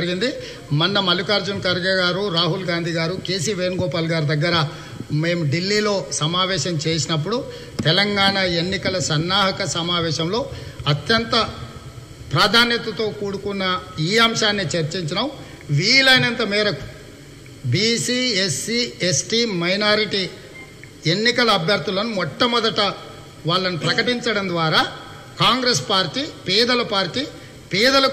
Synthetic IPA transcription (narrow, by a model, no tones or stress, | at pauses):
ɐɾiɡind̪i | mɐnːɐmɐlukaːɾd͡ʒunkɐɾɡɐɡaːɾuɾaːɦulɡaːnd̪ʱiːɡaːɾuke̞ːs̬iːʋeːnɡɔːpaːlɡaːɾud̪ɐɡːɐɾɐ | me̞ːmuɖilːiːlo̞ːsɐmaːʋɛːʃɐmt͡ʃe̞ːsinɐp̬ːuɽu | t̪ɛlɐŋɡaːɳɐe̞nːikɐlɐsɐnːaːɦɐkɐsɐmaːʋɛːʃɐmlo̞ːɐt̪jɐnt̪ɐ | pɾaːd̪ʱaːnjɐt̪ɐt̪o̞ːkuːɽukunːɐiːɐmʃaːnːit͡ʃɐɾt͡ʃiɲt͡ʃinɐw | ʋiːlɐjnɐnt̪ɐmɛːɾɐku̥ | bisiːesːiesʈiːmɐjnaːɾiʈi | e̞nːikɐlɐːbʱjɐɾd̪ulɐnumɔʈːɐmɔd̪ɐʈɐ | ʋaːɭːɐnipɾɐkɐʈiɲt͡ʃɐɽɐnd̪ʋaːɾaː | kaːŋɡɾespaːɾʈiːpɛːd̪ɐlɐpaːɾʈiː | pɛːd̪ɐlɐ